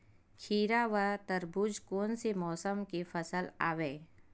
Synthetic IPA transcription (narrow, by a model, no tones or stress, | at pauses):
kʰiːɾaʋat̪əɾbud͡ʒkoːnsemɔːsəmkefɐsəla̰ːʋeː